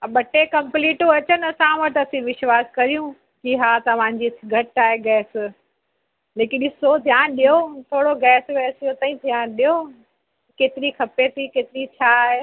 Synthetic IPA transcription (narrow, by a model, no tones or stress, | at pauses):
ɓʱɐʈekɐ̃mpliːʈoɐt͡ɕənsãːʋɐʈɐsĩʋɪʃʋaːskɐɾijũ | kiɦaːt̪ɐʋ̤ãɲd͡ʑiːɡʱɐʈaːɦeɡɛːs | leːkɪɗɪsod̪ʱjaːnɗijot̪ʰoːɽoɡɛːsɡɛːsijot̪ɐĩd̪ʱijãːɗijo | keːt̪ɪɾikʰɐpet̪ʰikeːt̪ɪɾit͡ɕʰaːɦe